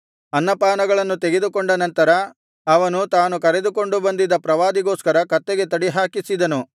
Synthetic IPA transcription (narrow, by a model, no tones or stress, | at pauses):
ɐnːɐpaːnɐɡɐɭɐnːut̪eɡed̪ukoɳɖɐnɐnt̪ɐɾɐ | ɐʋɐnut̪aːnukɐɾe̞d̪uko̞ɳɖubɐnd̪id̪ɐpɾɐʋaːd̪iɡoːskɐɾɐkɐt̪ːeɡe̞t̪ɐɽiɦaːkisid̪ɐnu